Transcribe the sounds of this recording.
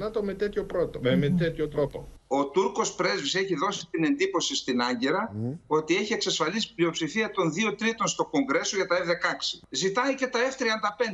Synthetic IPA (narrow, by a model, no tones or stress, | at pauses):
nɐt̪omet̪et̪çopɾot̪omet̪et̪çot̪ɾopoo̞t̪uɾko̞spɾe̞zvise̞çiðo̞sit̪ine̞nd̪ipo̞sist̪inɐɲɟeɾɐo̞t̪ie̞çie̞ksɐsfɐlisi̥plio̞psifiɐt̪o̞nðio̞t̪ɾit̪o̞nst̪o̞ko̞ŋɡɾe̞so̞ʝɐt̪ɐevðe̞kɐksi̥zit̪ɐice̞t̪ɐeft̪ɾiɐnd̪ɐpe̞nd̪